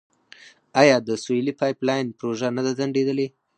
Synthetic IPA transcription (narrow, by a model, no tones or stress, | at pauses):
ajɑd̪əsojlipɑjplɑjnpɾoʒanad̪azaɳɖed̪əle